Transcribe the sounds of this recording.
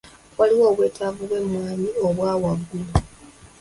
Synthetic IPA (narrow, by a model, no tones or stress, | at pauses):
wʔaliwo̞ːβwe̞ːtʰavuβwe̞mwaːɲio̞βwaːwaɡulu